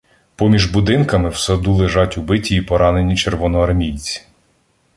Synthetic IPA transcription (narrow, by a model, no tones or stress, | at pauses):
pɔmʲiʒbʊd̪ɪnkɐmɪwsɐd̪ulˠeʒɑtʲubɪtʲiːpɔɾɑne̞nʲit͡ʃerʋɔnɔɐrmʲijt͡sʲi̥